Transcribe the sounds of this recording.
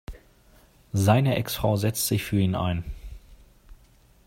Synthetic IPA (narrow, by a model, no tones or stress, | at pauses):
zaɪnəʔɛksfʁ̥aʊzɛt͡stz̥ɪçfyːɐiːna̰ɪn